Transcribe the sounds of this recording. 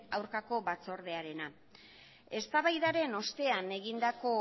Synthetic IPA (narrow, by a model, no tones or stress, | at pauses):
awɾkako̞βat͡so̞ɾð̞e̞aɾe̞na | e̞st̪aβajðaɾe̞no̞st̪e̞ane̞ɣind̪ako̞